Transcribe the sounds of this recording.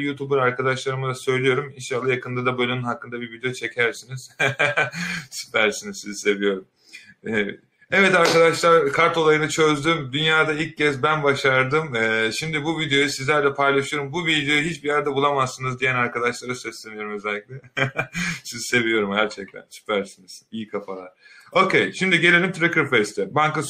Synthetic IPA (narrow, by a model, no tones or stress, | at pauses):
jut̪ʰubɯɾaɾkʰad̪aʃlˠaɾɯmɯzasø̞jlʲijo̞ɾuminʃalˠːajakʰɯnd̪ad̪abølʲynynɦakːɯnd̪abiɾvid̪ejot͡ʃʰe̞cʰæɾsiniz̥ | si̥pʰæɾsinizsizise̞vijo̞ɾum | ɛvɛ̰ | ɛvɛt̪aɾkad̪aʃlˠaɾkʰaɾt̪o̞lˠajɯnɯt͡ʃʰø̞zd̪ymd̪ynjaːd̪ailccːɛzbænbaʃaɾd̪ɯmɛːʃimd̪ibuvid̪ejo̞jusizlʲæɾlʲɛpʰajlˠaʃɯjo̞ɾumbuvid̪ejo̞juɦit͡ʃbijæɾd̪ɛbulˠamasːɯnɯzd̪ijænaɾkad̪aʃlˠaɾasɛslʲemijo̞ɾumøzɛlʲːiclʲɛ | sizse̞vijo̞ɾumɟæɾt͡ʃʰɛc̚t̪ʰæ̰nsy̥pʰæɾsiniz̥ijikʰafalˠaɾo̞cʰejʃimd̪iɟe̞lʲe̞lʲimt̪ʰɾekɯɾfest̪ʰɛbaŋkas